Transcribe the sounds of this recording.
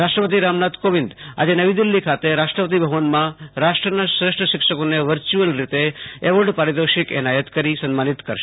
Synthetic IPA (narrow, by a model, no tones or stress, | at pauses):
ɾaʃʈɾəpət̪iɾamnat̪koʋɪnd̪a̰d͡ʒenəʋid̪ilːikʰat̪eɾaʃʈɾəpət̪ibʱəʋənmãɾaʃʈɾənasɾɪʂʈɾəʃɪkʂəkoneʋəɾt͡ʃuəlɾit̪eeʋəɭɖpaɾid̪əʃikɛ̰najət̪kəɾisənmanit̪kəɾʃe̥